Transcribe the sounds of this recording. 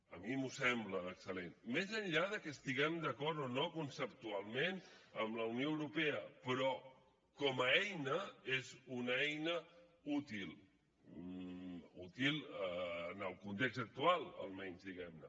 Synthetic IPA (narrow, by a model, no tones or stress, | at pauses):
əmimusɛmbləːksəlenmezəɲʎaðəkəːst̪iɣɛmd̪əkɔɾt̪onokunsəp̚t̪ualˠmenəmləunijoəwɾupeəpɾɔ | kɔməɛjnəezunɛjnəut̪ilˠ | ut̪ilˠənəlˠkunt̪ekzt̪ək̚t̪ualˠə̰lˠmɛɲzðiɣɛmnə